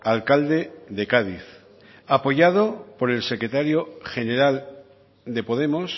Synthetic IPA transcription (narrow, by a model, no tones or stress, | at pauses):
alkald̪e̞ðe̞kaðiθ | apo̞ʝað̞o̞po̞ɾe̞lse̞kɾe̞t̪aɾjo̞xe̞ne̞ɾal | d̪e̞po̞ðe̞mo̞s